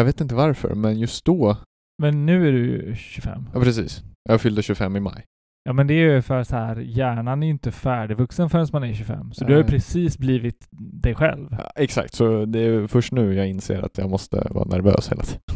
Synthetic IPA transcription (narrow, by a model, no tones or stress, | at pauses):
jɑveːt̪ɪnt̪̬əvaɾfœ̰ɾmɛnjɵst̪̚d̪ɔ | mɛnːʉ̟ːæɖɵɕɵfɛ̰mːɑːpʰɾɛsḭːsjʔɑaɾfʏld̪əɕʉfɛmːɪma̰j | jɑːmɛnd̪ɛæjfœəɾasɔhæːɾjæːɳanæɾjʏnt̪əfæːɖɪvɵksənfœɾɛnsmanæɾɕɵfɛ̰mːsɔd̪ɵhajʏpʰɾɛsiːsbliːvɪt̪d̪ɛjɧɛ̰lvɛksa̰kt̪sɔd̪ɛfœʂʈnʉ̟ːjɑːɡɪnsḛːɾa̰t̪jɑ̰ɡmɔst̪ə̰vɑ̰ːnæɾvø̰ːshḛːlat̪ʰi̥ːd̪ən